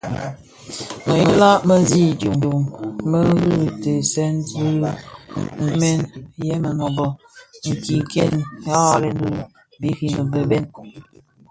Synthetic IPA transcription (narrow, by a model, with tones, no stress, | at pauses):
mə˨jə˨la˦ʔmə˦zi˦˨djo˨o˨mmə˦ɣɨ˦te˨sɛ˦n˦zɨ˦ | mɛ˦njɛ˦mə˨nɔ˨bɔ˨ | ŋ̩˨ki˨ŋkɛ̰˦nja˦a˨lɛ˦n˦du˦ | bi˦ki˨mə˨bə˦bɛ˦n